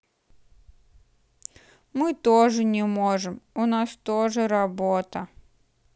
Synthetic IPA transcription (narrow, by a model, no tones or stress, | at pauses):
mɨt̪oʐɨnʲɪmoʐɨmʊnast̪oʐɨɾɐbot̪ə